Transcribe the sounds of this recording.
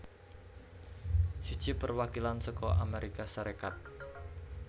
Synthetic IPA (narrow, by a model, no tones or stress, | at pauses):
sid̥ʒ̥ɪ̤pərwakilansɔkɔʔameɾikasaɾekat̪̚